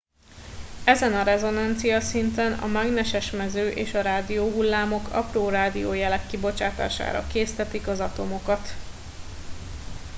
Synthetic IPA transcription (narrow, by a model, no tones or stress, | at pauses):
ɛzɛnɒɾɛzo̞nɒnt̪sijɒsint̪ɛnɒ̰mɛɡnɛʃɛʃmɛzøːʔeːʃɒɾaːd̪ijoːɦulːaːmo̞kɒ̰proːraːd̪ijoːjɛlɛkːibo̞t͡ʃaːt̪a̰ːʃa̰ːɾɒ̰keːst̪ɛt̪ikɒzɒt̪o̞mo̞kɒt̪